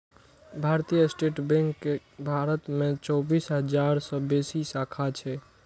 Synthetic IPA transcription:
bʱaɾt̪ijəsʈeʈbẽŋɡkebʱaɾət̪mẽt͡ʃɔbisɦəd͡ʒaɾsɔ̃besisakʰat͡ʃʰɛ

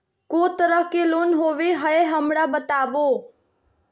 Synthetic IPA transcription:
koːt̪əɾəfʰkeloːnɦoːʋeɦəeɦəmɽabət̪aːʋoː

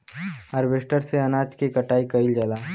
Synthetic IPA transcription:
əɾʋeːsʈəɾseɐnaːd͡ʒkikəʈaːikɐɪld͡ʒəlaː

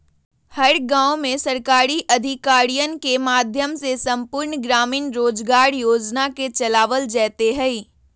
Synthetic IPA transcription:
hɐɾɡãːʊ̃mẽsɐɾkaːɾiʔɐd̪ʱɪkaːɾijənkemaːd̪ʱjəmsesɐ̃mpʊɾɳɡɾaːmiːnɾoːd͡ʒɡaːɾjoːd͡ʒnaket͡ʃɐlaːʋəld͡ʒɛːt̪eɦɛi

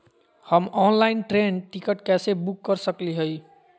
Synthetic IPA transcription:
həmɔnlainʈɾenʈikəʈkɛsebukːəɾsəkliɦoj

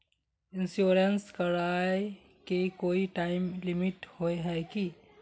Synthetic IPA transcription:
ɪ̃nsjoːɾənskɐɾaːe | kekoːiʈaːɪmlɪmɪʈhoːeɦɛːki

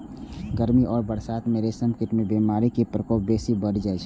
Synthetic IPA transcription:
ɡəɾmiʔɔːɾbəɽsaːt̪meɾesəmkɪʈmẽbimaːɾikepɾəkoːp̚beːsibəɽd͡ʒaːet͡ʃʰ

